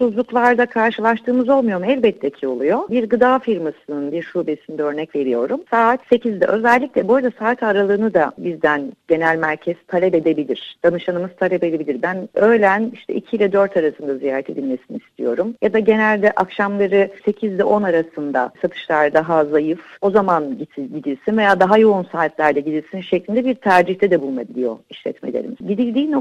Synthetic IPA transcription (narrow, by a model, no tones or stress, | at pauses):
suzlˠuklˠaɾd̪akʰaɾʃɯlˠaʃt̪ʰɯːmɯzo̞lˠmujo̞ɾumɛlʲbɛt̪ʰːɛcʰio̞lˠujo̞biɾɡɯd̪aːfiɾmasɯnɯnbiɾʃuːbe̞sind̪ɛø̞ɾnɛcve̞ɾijo̞ɾumsaːt̪se̞cʰizd̪ɛʔø̞zɛlʲːicʲlʲɛboɾad̪asaːat̪ʰaɾalˠɯːnɯd̪abizd̪ænɟ̥e̞nælʲmæɾcʰɛz̥t̪ʰalʲɛbe̞d̪e̞bilʲiɾ̥d̪̥anɯʃanɯmɯz̥t̪ʰalʲɛbe̞d̪ebilʲiɾbænø̞jlʲæniʃt̪ʰɛ̰icʰilʲɛd̪øɾt̪ʰaɾasɯnd̪azijaːɾɛt̪ʰe̞d̪ilʲme̞siniːst̪ʰijo̞ɾumjad̪aɟe̞nælʲd̪ɛʔakʃamlˠaɾɯse̞cʰizd̪ɛʔo̞naɾasɯnd̪a̰sat̪ʰɯ̥ʃlˠaɾd̪aɦazajɯfo̞zamanɟ̪ɟid̪ilʲsinve̞jaːd̪aɦajo̞unsaːt̪lʲæɾd̪ɛɟid̪ilʲsinʃeclʲind̪ɛbiɾt̪ʰæɾd͡ʒiçt̪ʰɛd̪ɛbulˠmabilʲijo̞̰iʃlʲɛ̰t̪mḛlʲḛɾḭmɟid̪ilʲd̪iːno